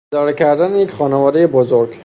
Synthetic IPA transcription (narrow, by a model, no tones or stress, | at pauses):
ed̪ɒːɾecʰæɾd̪ænejecʰχɒːnevɒːd̪e̞je̞bozoɾɡ